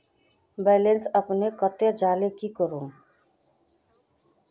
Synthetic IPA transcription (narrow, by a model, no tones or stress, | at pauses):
bɛːlensəpnekət̪ed͡ʒaːlekikəɾũː